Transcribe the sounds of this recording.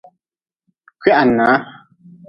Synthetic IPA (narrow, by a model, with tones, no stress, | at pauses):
kɥa˦ʔa˨naː˨˦